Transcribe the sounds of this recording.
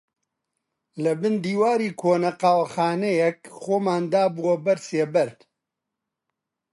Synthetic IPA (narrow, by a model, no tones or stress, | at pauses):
lɐbɨnd̪iːwaːɾiːkʰoːnɐqaːwɐxaːnɛjɛkxoːmaːnd̪aːbuwɐbɐɾseːbɐɾt̪